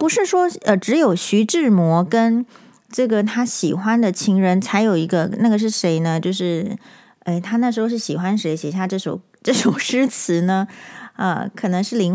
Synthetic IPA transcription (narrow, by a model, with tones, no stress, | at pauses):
pu˧˥ʂɻ̩˥˩ʂwɔ˥ə˧˩ʈ͡ʂɻ̩˧˥jo˨˩ʊɕy˧˥ʈ͡ʂɻ̩˥˩mwɔ˧˥kə˥n | ʈ͡ʂɤ˥˩ɡə˩t̪ʰa˥ɕi˨˩xwa˥nd̪ə˨t͡ɕʰi˧˥ŋɻə˧˥nt͡sʰa˧˥ɪjo˨˩ʊi˧˥ɡə˧na˥˩ɡə˩ʂ̬ɻ̩˥˩ʂe˧˥ɪnə˧t͡ɕjo˥˧ʊʂɻ̩˥˩ | e˥˩ɪt̪ʰa˥na˥˩ʂɻ̩˧˥xo˧ʊʂɻ̩˥˩ɕi˨˩xwa˥nʂe˧˥ɪɕjɛ˨˩ɕ̬ja˥˧ʈ͡ʂɤ˥˩ʂo˨˩ʊ | ʈ͡ʂɤ˥˩ʂo˨˩ʊʂɻ̩˥t͡sʰɹ̩˧˥nə˧ə̰˧kʰɤ˨˩nɤ˧˥ŋʂɻ̩˥˩li˧˥ŋ